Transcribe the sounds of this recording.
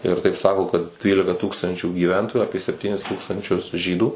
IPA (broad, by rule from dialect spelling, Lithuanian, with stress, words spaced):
ɪr tɐɪp ˈsɑːkoː kɐt ˈtʲrʲiːlʲɪkɐˈtuːkstɐnʲt͡ʃʲuː ɡʲiːˈʋʲɛntoːjʊ ˈɑːpʲiɛ sʲɛpʲˈtʲiːnʲɪs ˈtuːkstɐnʲt͡ʃʲʊs ˈʒʲiːduː